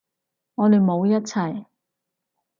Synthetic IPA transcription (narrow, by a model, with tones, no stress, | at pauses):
ŋɔː˨˧d̪e˨jmo˨˧wjɐ˥t̚t͡sʰɐ˨˩j